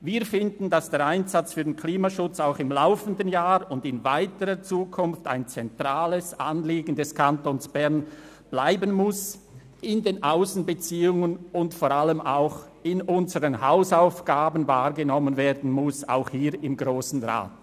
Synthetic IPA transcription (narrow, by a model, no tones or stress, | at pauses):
viːɐfɪndn̩dasd̥eːɐɾaɪnzat͡sfyːdenkʰliːmaʃʊt͡saʊxɪmlaʊfəndənjaːʁʊndɪnvaɪtəʁət͡suːkʰʊnfta̰ɪnt͡sɛntʁ̥aːləsanleːɡən̩dɛskʰantoːnsb̥ɛʁn | b̥laɪbənmʊs | ʔɪndeːnʔaʊsn̩bət͡siːʊŋənʊntfoːɾʁaləmaʊx | ɪnʔʊnzəʁənhaʊsaʊfɡ̥aːbən̩vaːʁɡənɔmənveːɐdn̩mʊsa̰ʊxhiːɾɪmɡʁoːsn̩ʁa̰ːt